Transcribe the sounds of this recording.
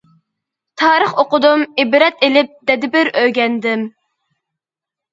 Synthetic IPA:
t̪ʰɑːɾəχoqʊd̪umibɾɛt̪elɪp̚d̪̥ɛd̪ɪbɪɾøjɡʲɛnd̪ɪm

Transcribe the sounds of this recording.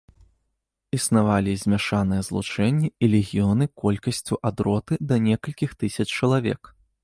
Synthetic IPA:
isnavalʲizʲmʲaʂanɨjɛzlˠut͡ʂɛnʲːɛilʲɛɣʲijɔnɨkɔlʲkɐsʲt͡sʲuʔad̪ɾɔt̪ɨd̪ɐnʲɛkɐlʲkʲixt̪ɨsʲɐt͡ʂt͡ʂɐlˠavʲɛ̰k

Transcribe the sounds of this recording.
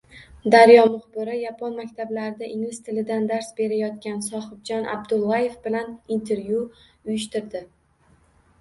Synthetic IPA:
d̪aɾjɒmʊχbɪɾɪjapʰonmakʲt̪ʰablaɾɪd̪aʔɪŋlɪst̪ʰɪlɪd̪and̪aɾsbe̞ɾajɒt̪̚kʲansɒχɨbd͡ʒɒnʔa̰bd̪ʊlˠːaje̞fbɪlanint̪ʰe̞ɾvju | ʊjɪʃt̪ɪɾd̪ɪ

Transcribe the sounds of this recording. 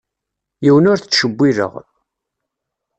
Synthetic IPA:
jiwənʊɾθət͡sʃəbːiðə̰ʁ

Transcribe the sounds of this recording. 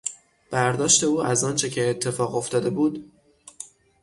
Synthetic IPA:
b̥æɾd̪ɒːʃt̪e̞uːæzɒːnt͡ʃʰe̞cʰe̞ːt̪ʰːe̞fɒːɣo̞ft̪ɒːd̪e̞buːd̪

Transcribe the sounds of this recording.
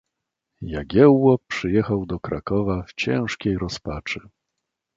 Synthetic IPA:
jaɡʲjɛwːɔpʂɘjɛxawd̪ɔkɾakɔvaft͡ɕɛ̃w̃ʂkʲejɾɔspat͡ʂɘ̥

